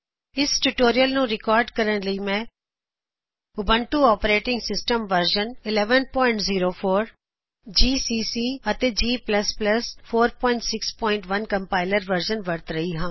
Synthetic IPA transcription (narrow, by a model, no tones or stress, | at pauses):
ɪsʈuʈoːɾijəlnũːɾɪkɔːɾɖkəɾəɳləiːmɛ̃ː | ʊbəɳʈuːɔːpɾeːʈɪ̃ŋɡsɪsʈəmʋəɾʃənɪlɛːʋənpɔːɪ̃ɳʈziːɾoːpʰoːɾ | d͡ʒiːsiːsiːət̪eːd͡ʒiːpləspləspʰoːɾpɔ̃ːɪ̃ɳʈsɪkspɔ̃ːɪ̃ɳʈʋənkəmpaːɪləɾʋəɾd͡ʒənʋəɾt̪ɾəɦiːɦãː